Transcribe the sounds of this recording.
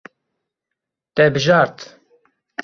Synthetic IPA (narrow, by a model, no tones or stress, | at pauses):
t̪ɛbɨʒɑːɾt̪